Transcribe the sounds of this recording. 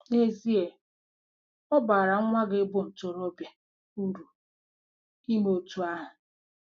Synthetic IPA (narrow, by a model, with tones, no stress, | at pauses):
e˦zi˦e˨ | ɔ˦ba˨ɾa˨ŋ̩˦ŋʷa˦ɡɪ˦bʊ˨n̩˨tʊ˨ɾɔ˦bja˨ | u˦ɾu˨ | i˦me˨o˨tu˨a˦ɦʊ˨